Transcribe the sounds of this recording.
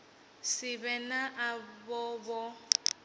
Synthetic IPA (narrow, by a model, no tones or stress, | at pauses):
sɪbɛnaʔabɔbɔ